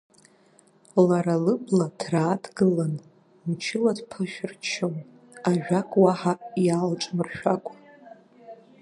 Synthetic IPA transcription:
laɾalɨpʼladraːdɡɨlan | mt͡ʃʰɪladpʰaʃᶣɪrt͡ʃʰon | aʒᶣakʼwaħajalʈ͡ʂʼmɨrʃᶣakʷʼa

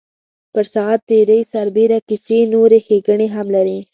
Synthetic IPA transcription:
pəɾsɑt̪ːeɾəisaɾbeɾakɪsenoɾexeɡəɳeɦamlaɾi

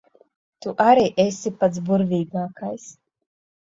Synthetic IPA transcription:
t̪uʔaɾiːʔesʲipat̪s̬buɾvʲiːɡaːkajs

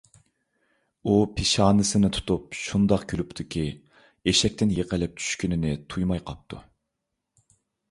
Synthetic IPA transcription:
upʰɪʃɑːnɨsɨnɪt̪ʰu̥t̪upʃund̪ɑqɡʲylupt̪ʰɪkʲʰi | eʃɛk̚ʲt̪ɪnjeqəlɪp̚t͡ʃʰy̥ʃkʲynɪnɪt̪ʰujmɑjqʰɑp̚t̪ʰṵ

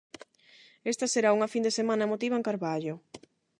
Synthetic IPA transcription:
est̪ɐseɾauŋafind̪esemãnɐmot̪iβaŋkaɾβaʎo

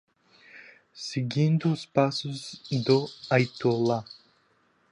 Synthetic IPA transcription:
siɡʲind̪uspasuzd̪oajt̪ulˠa

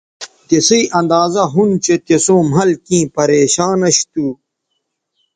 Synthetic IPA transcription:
t̪esiiʔɐ̃nd̪aːzɐɦunt͡ɕet̪esõːm̤ɐlkĩːpɐɾeːɕaːnɐɕt̪uː

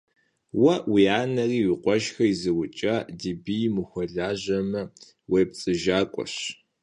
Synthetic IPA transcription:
wɐwiaːnɐriːwiqʷʼɔʃxɐizɨwʊt͡ʃʼɐdibijmɨxʷɔɮaːʒɐmɐ | weːp̚t͡sʼɨʒaːkʷʼɔ̰ɕ

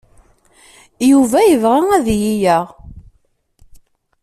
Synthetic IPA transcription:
juvæjəvʁaæðjijæʁ

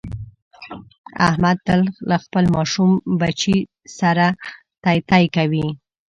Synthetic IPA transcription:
a̰hmad̪̚t̪əllaxpəlmɑʃumbat͡ʃi | saɾa | t̪ɑjt̪ɑjkawi

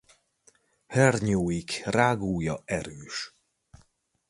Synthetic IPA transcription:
hɛrɲoːjikraːɡuːjɒɛɾøːʃ

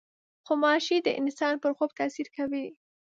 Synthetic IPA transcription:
xomɑʃid̪əʔɪnsɑnpəɾxob̚t̪asiɾkawi

